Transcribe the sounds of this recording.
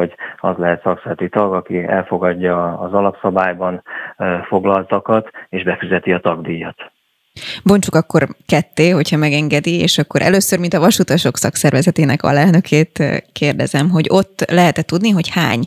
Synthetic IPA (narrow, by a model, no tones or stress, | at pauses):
o̞ɟɒ̰zlɛɦɛt̪sɒksɛlt̪it̪ɒɡɒkiɛ̰lfo̞ɡɒɟːɒːzɒlɒpsɒbaːjbɒnfo̞ɡlɒlt̪ɒkɒt̪eːʒbɛfyzɛt̪iɒt̪ɒɡd̪ijːɒt̪ | bo̞nt͡ʃukɒkːo̞rkɛt̪ːeːɦo̞chɒmɛɡɛŋɡɛd̪iḛːʃɒkːo̞ɾʔɛ̰løːsørmint̪ɒvɒʃut̪ɒʃo̞ksɒksɛrvɛzɛt̪eːnɛkɒ̰lɛlnø̞kʰeːt̪keːrd̪ɛ̰zɛmɦo̞ɟo̞t̪ːlɛɦɛt̪ɛt̪ud̪niɦo̞cha̰ːɲ